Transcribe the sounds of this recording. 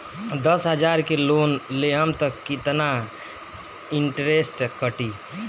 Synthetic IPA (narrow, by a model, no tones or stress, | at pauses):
d̪əsɦəd͡ʒaɾkelonleɦəmt̪əkːit̪na | iɳʈɾesʈkəʈi